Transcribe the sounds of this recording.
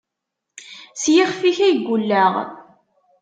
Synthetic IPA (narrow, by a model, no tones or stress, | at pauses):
sjiχfiçæjɡʷːulːæʁ